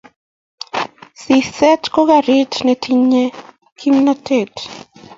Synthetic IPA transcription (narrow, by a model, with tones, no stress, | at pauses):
si˨sɛ˦tko˦ɡa˨ɾi˦tnɛ˨tʰiɲɛ | kʰi˦mnate˨t